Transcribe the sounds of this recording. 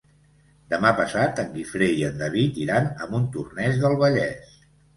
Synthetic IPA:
d̪əmapəsat̪əŋɡifɾeiənd̪əβit̪iɾanəmbunt̪urnɛzðəlˠβəʎɛs

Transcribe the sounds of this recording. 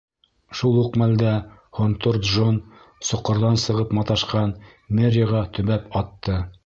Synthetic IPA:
ʃulˠʉqmæld̪æχont̪ort̪ʒon | sŏqːŏɾðɑnsɤ̆ʁɤpmɑt̪ɑʃqɑn | merʲəʁɑt̪ɵ̆βæpɑt̪ːɤ

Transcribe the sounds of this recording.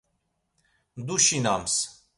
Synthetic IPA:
d̪uʃinams

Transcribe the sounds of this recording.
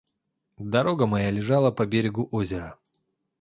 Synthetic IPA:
d̪ɐɾo̞ɡəmɐjalʲɪʐalˠəpɐbʲeɾʲɪɡʊʔozʲɪɾə

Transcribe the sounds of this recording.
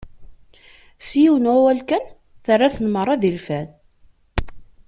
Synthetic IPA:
sijiwnwæwælkæn | θərːaθənməɾˤːɑðilfæn

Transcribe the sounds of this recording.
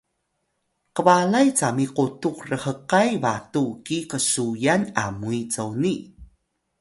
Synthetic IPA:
kəvalajt͡samiqutukrəhəqajvatukikəsujana̰muit͡sowni

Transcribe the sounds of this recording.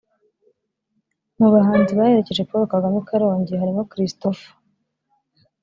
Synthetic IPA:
muβaɦaːnziβahe̞ɾece̞ʒe̞poɾokaɡamukʰaɾo̞ːɲɟeɦaɾimokɾistofu̥

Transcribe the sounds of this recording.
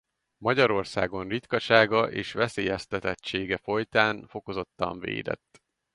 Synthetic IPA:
mɒɟɒɾo̞rsaːɡo̞nrit̪kɒʃaːɡɒʔeːʃʋɛseːjɛst̪ɛt̪ɛt͡ʃːeːɡɛfo̞jt̪aːnfo̞ko̞zo̞t̪ːɒ̰ɱvḛːd̪ɛ̰t̪ː

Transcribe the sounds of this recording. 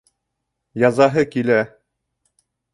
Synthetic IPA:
jɑzɑɦɤkilæ

